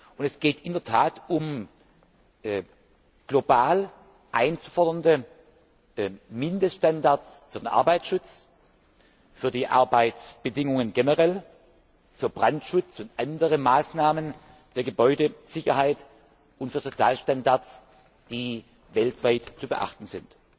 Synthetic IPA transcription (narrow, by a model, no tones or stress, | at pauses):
ʔʊntɛsɡ̥eːtʰɪndɐtʰaːtʊm | ɡ̥lobaːl | ʔaɪnt͡sufɔʁdɐndə | mɪndəstʃtandaɐt͡sfyːɐdenʔa̰ɐbaɪsʃʊt͡s | fyːɐdiːʔa̰ɐbaɪt͡sb̥ədɪŋʊŋənɡenəʁɛl | fyːɐbʁantʃʊt͡sʊntʔandəʁəmaːsnaːmən | d̥eːɐɡəbɔʏdəz̥ɪçɐhaɪt | ʔʊntfyːɐz̥ot͡sja̰ːlʃtandaɐt͡s | d̥iː | vɛltv̥aɪtt͡subəʔa̰χtn̩zɪnt